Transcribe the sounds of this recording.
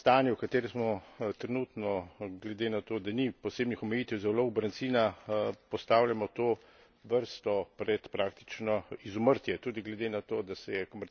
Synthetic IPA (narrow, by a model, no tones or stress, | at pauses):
st̪aːnjiwkat̪eːɾɛsmɔt̪ɾɛnuːt̪nɔɡlɛd̪eːnat̪oːd̪anipɔseːbnixɔmɛjiːt̪ɛwzɛwloɡbɾant̪siːnapɔst̪aːwljamɔt̪oː | ʋəɾst̪ɔpɾɛt̪pɾaːk̚t̪i̥t͡ʃnɔizɔməɾt̪jɛt̪uːd̪iɡlɛd̪enat̪oːd̪asɛjɛkomɛɾ